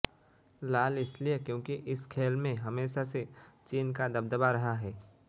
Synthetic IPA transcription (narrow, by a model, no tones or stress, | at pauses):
laːlɪsliekjõːkiʔɪskʰeːlmẽɦɐmeːʃaset͡ʃiːnkad̪ɐbd̪əbaɾɐɦaɦɛː